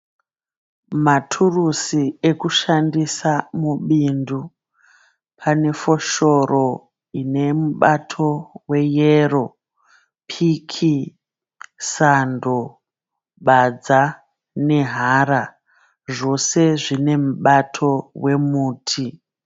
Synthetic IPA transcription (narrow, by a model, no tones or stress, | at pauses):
matʰurusiekuʃandisamuɓindu | pʰane̞fo̞ʃo̞ro | ine̞muɓatʰo̞we̞jero̞ | pʰikʰi | sando | ɓad͡za | ne̞ɦaːɾa | ʐo̞se̞ʐine̞muɓatʰo̞we̞muːtʰi